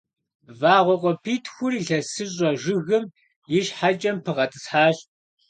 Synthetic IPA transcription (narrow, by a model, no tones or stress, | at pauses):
vaːʁʷɔqʷʼɔpʰiːtʰxʷʊriɮɐsɨɕ̬ʼɔʒɪɣɨm | jɪʃħat͡ʃʼɐmpʰɨʁɐtʼɨsħaːɬ